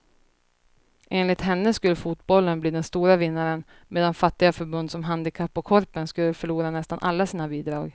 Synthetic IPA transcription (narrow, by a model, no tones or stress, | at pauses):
ʔeːnlɪt̪ɦɛnːəskɵlːəfut̪bɔlːənbliːd̪ɛnst̪uːɾavɪnːaɾən | mʔeːd̪anfat̪ːɪɡafœɾbɵnd̪sɔmɦand̪ɪkʰapːɔkʰɔɾpənskɵlːəfœɭuːɾanɛst̪anʔalːasiːnabiːd̪ɾɑːɡ